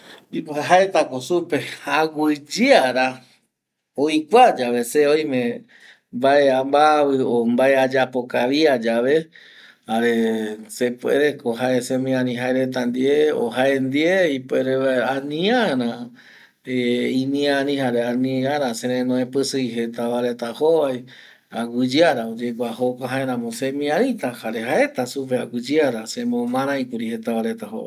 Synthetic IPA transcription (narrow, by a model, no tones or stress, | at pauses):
mbipoeɦaet̪akosupe̞aɡʷɨd͡ʒiaɾa | oikʷad͡ʒaʋe̞seojmẽ | mbaeambaβɨombaead͡ʒapo̞kaʋiad͡ʒaʋe̞ | haɾese̞pwḛɾekoɦaesẽmĩãnĩɦaeɾe̞t̪and̪ieo̰ɦaend̪ieipweɾeaanĩaɾã | eimĩãɾĩhaɾeanĩãɾãseɾẽnõẽpɨsɨjɦe̞t̪aβaɾet̪ahoβaj | aɡɨd͡ʒaɾaod͡ʒekʷahokaɦãeɾãmõsemĩãɾit̪ahaɾe̞ɦae̞t̪asup̬ea̰ɡɨd͡ʒiaɾasẽmõmãɾ̃ãĩkuɾihet̪aβaɾet̪aho̰βa̰j